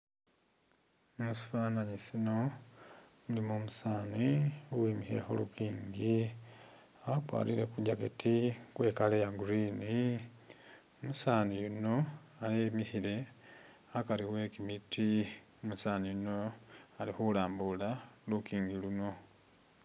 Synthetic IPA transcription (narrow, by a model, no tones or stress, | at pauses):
musu̥faːnaɲisino̞ | mulimoːmusaːniuwiːmihḛxo̰lṵkiːŋɡi | akwa̰ːliɾe̞kuɟaketikwe̞ːkalejaɡuɾiːni | omusaːnijuno̞ | alemihiɾe̞ | akaliwe̞kimiti | omusaːnijunoalixulaːmbulalukiːŋɡiluno̞